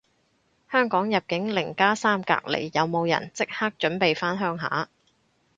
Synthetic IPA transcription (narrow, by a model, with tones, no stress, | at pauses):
hœː˥ŋkɔː˨˥ŋjɐ˨p̚kɪ˨˥ŋlɪ˨˩ŋkaː˥saː˥mka̰ː˧k̚lḛ˨˩jːɐ˨˧wmo˨˧wjɐ̰˨˩nt͡sɪ˥k̚haː˥k̚t͡ʃɵ˨˥npe˨jfaː˥nɦœː˥ŋɦa̰ː˨˥